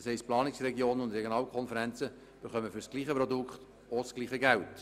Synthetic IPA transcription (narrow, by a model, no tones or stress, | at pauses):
shɛɪstplɑːnɪksrɛɡioːnənʊndɾɛɡjonɑːlkʰɔnfəɾɛnt͡sə | b̥eχœməfʏɾsɡ̥liːχəpɾɔdʊkχt | osɡ̥liːχəɡælt